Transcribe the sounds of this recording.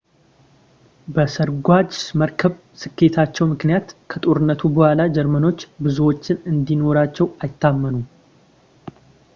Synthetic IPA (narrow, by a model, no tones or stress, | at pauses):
bəsəɾɡʷad͡ʒməɾkʰəβ | sɨkːe̞t̪ʰat͡ʃːɛwmɨknijat̪kʰət̪ʼo̞ɾɨnːət̪ʰubəhʷalad͡ʒɛɾməno̞t͡ʃːbɨzuwo̞t͡ʃːɪnɨnd̪ino̞ɾat͡ʃːɛwajɪt̪ːamːənu